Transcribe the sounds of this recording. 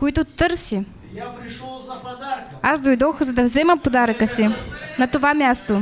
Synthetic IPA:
koit̪ʊt̪ɤɾsi | asd̪ojd̪ɔxzɐd̪ɐvzɛməpod̪aɾəkəsinɐt̪ovamʲjast̪o

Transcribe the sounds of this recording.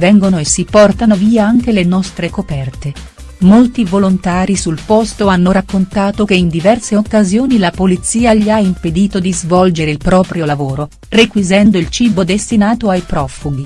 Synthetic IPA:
vɛŋɡonoesːipɔrt̪anoviːaaŋk̟elenɔst̪ɾekopɛrt̪e | molt̪ivolont̪aːɾisulpɔst̪oanːoɾakːont̪aːt̪okeind̪ivɛrseokːazjoːnilapolit̪sːiːaʎiaimped̪iːt̪od̪izvɔld͡ʒeɾeilpɾɔːpɾjolavoːɾo | rekwizɛnd̪oilt͡ʃiːbod̪est̪inaːt̪oajpɾɔfuɡi

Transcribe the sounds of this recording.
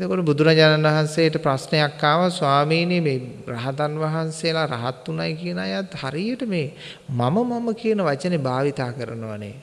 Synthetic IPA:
et̪okoʈəbud̪ʱuɾaːd͡ʒaːnanʋɐɦansejəʈəpɾasnejakːaːʋaswaːmiːnemeːraɦat̪anʋɐɦansejəlaɾaɦat̪ːunajkiənajat̪haɾijəʈəmeː | maməmaməkiənəʋat͡ʃənebaːʋit̪aːkəɾənoʋa̰nḛ

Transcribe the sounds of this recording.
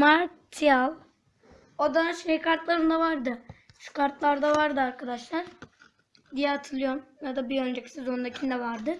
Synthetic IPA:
maɾt̪ʰijalˠ | od̪aʃejkʰaɾt̪lˠaɾɯnd̪avaɾd̪ɯ | ʃu̥kʰaɾt̪lˠaɾd̪avaɾd̪ɯaɾkʰad̪aʃlˠaɾ̥ | d̪ijaːt̪ʰɯlˠɯjoɾmjad̪abiønd͡ʒecʰi̥sizo̞nd̪acʰind̪ɛvaɾd̪ɯ

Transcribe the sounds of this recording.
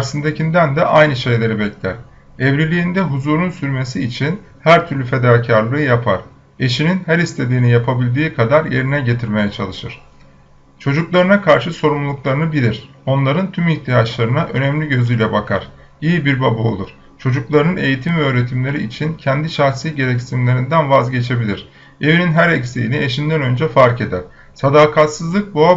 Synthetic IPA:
ɾsɯnd̪ecind̪ænd̪ɛʔajnɯʃe̞jlʲe̞ɾibɛclʲæ̰ɾ̥ | evɾilʲijind̪ɛɦuzuːɾunsyɾmesiːt͡ʃʰin | hæɾt̪ʰyɾlʲyfe̞d̪aːcʰaɾlˠɯːjapʰa̰ɾ̥ | e̞ʃininhæɾist̪ʰe̞d̪iːnijapʰabilʲd̪iːkʰad̪aɾje̞ɾinɛɟe̞t̪ʰiɾme̞jɛt͡ʃʰa̰lˠɯʃɯɾ̥ | t͡ʃʰo̞d͡ʒuklˠaɾɯnakʰaɾʃɯso̞ɾumlˠlˠuklˠaɾɯnɯbilʲiɾ̥ | o̞nlˠaɾɯnt̪ʰymiçt̪ʰijat͡ʃlˠaɾɯnaʔø̞nɛmlʲiɟø̞zyjlʲɛbakʰa̰ɾ̥ | ijibiɾbabuo̞̰lˠuɾ̥ | t͡ʃʰo̞d͡ʒuklˠaɾɯnɯne̞jit̪ʰimvɛøːɾe̞t̪ʰimlʲe̞ɾiːt͡ʃʰincʰɛnd̪iʃaxsiːɟe̞ɾɛcsimlʲe̞ɾind̪ænvazɟe̞t͡ʃʰe̞bilʲiɾ̥ | e̞vininɦæɾɛcsijinie̞ʃind̪ænø̞nd͡ʒɛfaɾce̞d̪æɾ̥ | sad̪aːkʰat̪sɯzlˠɯk̚bua

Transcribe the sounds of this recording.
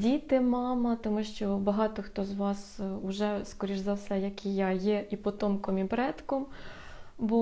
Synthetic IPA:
dʲit̪ɪmɑmɐt̪ɔmuʃt͡ʃɔbɐɦɑt̪ɔxt̪ɔzʋɑsʊʒɛskɔɾʲiʒzɐwsɛjɐkʲijɑjɛʔipɔt̪ɔmkɔmibɾɛt̪kɔm | bu

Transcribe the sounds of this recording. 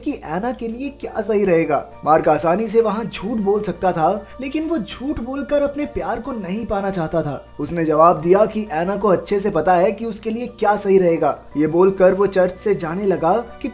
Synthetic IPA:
kiʔɛːnãkeliekjaːsɐɦiɾɐɦeːɡa̰ː | maːɾkaːsaːnis̬eʋɐɦãd͡ʒʱuːʈboːlsɐk̚t̪at̪ʰaleːkɪnʋod͡ʒʱuːʈboːlkɐɾɐpnepjaːɾkonɐɦĩpaːnat͡ʃaːɦt̪at̪ʰa̰ː | ʊsned͡ʒɐʋaːb̚d̪ijakiʔɛːnãkoɐtːʃʰesepɐt̪aɦɛkiʊskeliekjaːsɐɦiɾɐɦeːɡaː | jeːboːlkɐɾʋot͡ʃɐɾt͡ʃsed͡ʒaːnelɐɡaki

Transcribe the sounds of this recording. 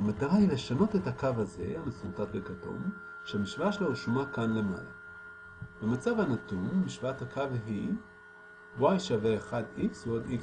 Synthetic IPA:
amataʁahile̞ʃano̞te̞thakavaze̞̰amesutatbekato̰m | ʃehamiʃvaʃelouʃomakanle̞ma̰la̰ | bemat͡savanatumːiʃvathakʰavɦi | wajʃaveːχadiksveod̪ik

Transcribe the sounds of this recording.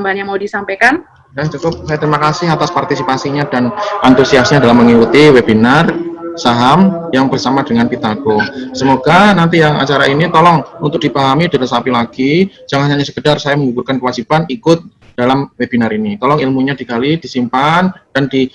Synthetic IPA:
mbanɲamaudisampajkan | jaht͡ʃukʊp̚sajat̪əɾimakasɪɦat̪aspart̪isipasiɲadanʔant̪usiasɲadalahməŋikut̪iwebinarsaɦamjaŋbərsamadəŋanpit̪aɡosəmoɡanant̪ijaŋa̰t͡ʃaɾaʔinit̪ɔlɔŋunt̪ʊk̚d̥ibaɦamidalamsapilaɡ̥id͡ʒ̥aŋaɲaɲasə̥kədarsajaməŋuburkankəwad͡ʒibanikʊt̪̚d̥alamweb̥inaɾinit̪ɔlɔŋilmuɲadikalid̥isimpand̥andi

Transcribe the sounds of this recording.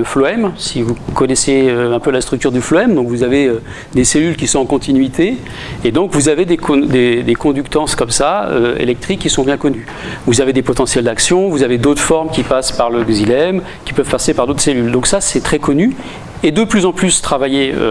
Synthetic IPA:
ləflɔɛmsivukɔnɛseøɛ̃pølast̪χyk̚t̪yʁd̪yflɔɛmd̪ɔ̃kvuzaveø | d̪eselylkʲisɔ̃ɑ̃kɔ̃t̪inɥit̪ʰe | ed̪ɔ̃kvuzaved̪ekd̪ed̪ekɔ̃d̪ykt̪ɑ̃skɔmsaø̰ḛlɛk̚t̪χikʲːisɔ̃bjɛ̃kɔny | vuzaved̪epɔt̪ɑ̃sjɛld̪aksjɔ̃vuzaved̪ot̪χfɔʁmkʲipaspaʁləɡzilɛm | kʲi̥pœvpasepaʁd̪ot̪χselyld̪ɔ̃ksasɛt̪χɛkɔny | ed̪əplyzɑ̃plyst̪χavajeø̰

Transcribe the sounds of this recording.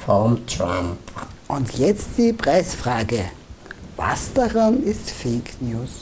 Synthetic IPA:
fɔʁmtʁa̰mpʔʊntʰjɛt͡std̥iːpʁ̥aɪsfʁ̥aːɡə | va̰sd̥aʁanɪstfeknjuːs

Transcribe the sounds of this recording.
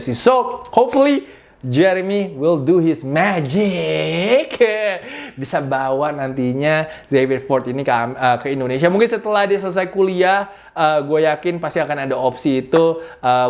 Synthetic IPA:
sisohopfuli | d͡ʒɛɾəmiwilduhɪsmad͡ʒɪ | k | bisabawaʔnant̪iɲa | devid̚fɔrt̪inikəkəindonesiamuŋkɪnsət̪əlahdisələs̬ajkuliah | əɡuajakɪnpast̪iakanadaopsiːt̪uʔə

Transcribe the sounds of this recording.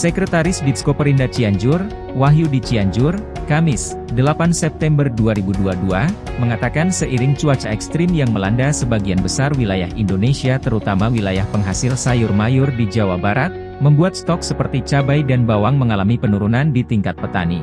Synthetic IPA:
səkɾət̪aɾɪsditskopəɾindat͡ʃiaɲd͡ʒʊr | waɦjudit͡ʃiaɲd͡ʒʊr | kamɪs | dəlapansɛp̚t̪ɛmbərduaɾibuduaduaməŋat̪akansəʔiɾɪŋt͡ʃuat͡ʃaɛkst̪ɾimjaŋməlandasəbaɡianbəsarwilajahindonesiat̪əɾut̪amawilajahpəŋɦasɪlsajʊrmajʊrdid͡ʒawabaɾat̪̚ | məmbuat̪̚st̪ɔksəpərt̪it͡ʃabajdanbawaŋməŋalamipənuɾunandit̪iŋkat̪̚pət̪a̰nḭ

